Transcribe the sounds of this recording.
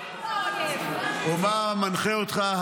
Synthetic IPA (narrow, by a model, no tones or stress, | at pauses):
omamanχeot̪χah